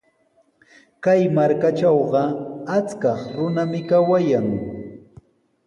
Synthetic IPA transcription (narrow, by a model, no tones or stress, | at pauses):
kajmaɾkat͡ʃɑwɢɑat͡skɑχɾʊnamɪkawajaŋ